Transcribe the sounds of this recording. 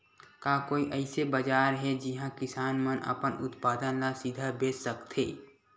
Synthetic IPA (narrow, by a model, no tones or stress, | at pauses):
kaːkoːiʔəɪsebəd͡ʒaːɾɦɛd͡ʒɪɦãkɪsaːnmənə̰pənʊ̰t̪paːd̪ənlasɪd̪ʱabeːssəkt̪ʰḛː